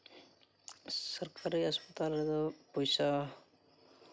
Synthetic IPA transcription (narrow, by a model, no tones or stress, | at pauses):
sʌrkaɾiʌspʌt̪alɾʌt̪ʌpojsa